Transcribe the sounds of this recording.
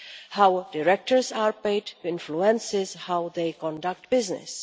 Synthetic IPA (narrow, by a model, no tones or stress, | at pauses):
haʊdɪɾɛk̚ʈəɹsaːɾpeɪdtuɪ̃nfluɛ̃nsɪzhaʊd̪eɪkɔ̃ndak̚ʈbɪznɪ̰s